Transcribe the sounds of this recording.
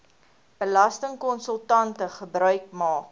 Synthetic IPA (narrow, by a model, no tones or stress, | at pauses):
b̥əlɐstəŋkɔnsəlˠtɐntəχəbɾœɥkmɑːk